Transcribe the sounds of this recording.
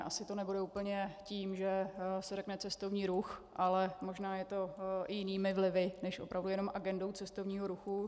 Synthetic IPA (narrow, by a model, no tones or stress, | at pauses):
ʔasɪt̪onɛbudɛuːpl̩ɲɛciːmʒɛsɛɾɛknɛt͡sɛst̪o̞vɲiːɾuxʔalɛmoʒnaːjɛt̪o̞jɪniːmɪvlɪvɪnɛʃʔopɾavdujɛno̞mʔaɡɛndo̞wt͡sɛst̪ovɲiːɦoɾuxu